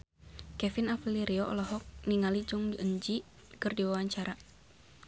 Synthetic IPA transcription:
kɛfinafliɾiɔʔɔlɔɦɔk̚niŋalid͡ʒʊŋdiʔəɲd͡ʒi | kɨrdiwawaɲt͡ʃaɾa

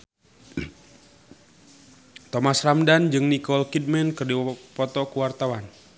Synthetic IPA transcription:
t̪ɔmasramdand͡ʒɨŋnikɔlkid̚mɛnkərdipɔt̪ɔkuwart̪awan

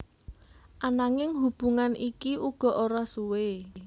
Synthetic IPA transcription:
ʔanaŋɪŋɦub̥ṳŋanʔikiuɡ̥ɔ̤ʔoɾasuwe

